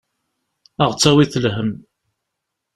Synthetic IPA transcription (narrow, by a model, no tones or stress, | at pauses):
əʁt͡sːæwiθəlɦəm